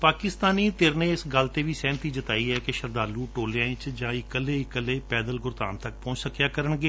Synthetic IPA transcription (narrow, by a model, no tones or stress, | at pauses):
paːkɪst̪aːniːt̪eɾnẽːɪsɡəlt̪eːʋiːsɛ̃ːnt̪iːd͡ʒət̪aːiːɛːkɪʃəɾd̪aːluːʈoːlãːɪ̃t͡ʃd͡ʒãːɪkəlːeːɪkəlːeːpɛːd̪əlɡʊɾt̪a̰ːnt̪əkpɔ̃ːt͡ʃsəkjaːkəɾəɳɡeː